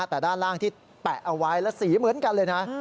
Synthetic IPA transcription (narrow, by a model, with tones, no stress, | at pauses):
t̪ɛː˨˩daː˥˩nlaː˥˩ŋt̪ʰiː˥˩ | t̪ɛ˨˩ʔa˧wa˦˥jlɛ˦˥siː˩˦mɯ˩˦ənka˧nlɤː˧jna˦˥